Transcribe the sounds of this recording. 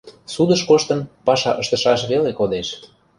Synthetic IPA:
sud̪əʃkoʃt̪ə̆npɑʃɑ̰ʔəʃt̪ə̆ʃɑʃβelekod̪eʃ

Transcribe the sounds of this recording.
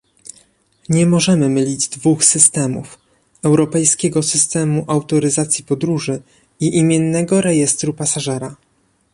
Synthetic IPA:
ɲɛmɔʐɛmɘmɘlʲid͡ʑd̪vuxsɘst̪ɛmṵf | ɛwɾɔpɛjskʲɛɡɔsɘst̪ɛmuʔawt̪ɔɾɘzat̪sʲjipɔd̪ɾuʐɘ | iʔimʲjɛnːɛɡɔɾɛjɛst̪ɾupasaʐɛɾa

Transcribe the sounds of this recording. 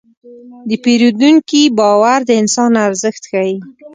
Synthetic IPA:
d̪əpeɾud̪uŋkibɑwaɾd̪əɪnsɑnaɾzəxt̪xaji

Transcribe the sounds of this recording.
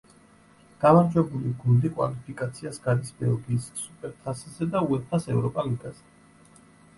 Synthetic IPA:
ɡ̥amaɾd͡ʒwɛbuliɡund̪ikʼwa̰lipʰikʼat̪sʰiasɡaɾisbɛlˠɡiːsːupʼɛɾt̪ʰaszɛd̪auɛt̪ʰasɛvɾɔpʼaliɡaz̥ɛ

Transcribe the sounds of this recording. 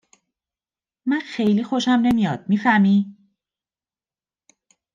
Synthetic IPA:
mænxe̞jliːxo̞ʃæmne̞mijɒːd̪̥̚miːfæmiː

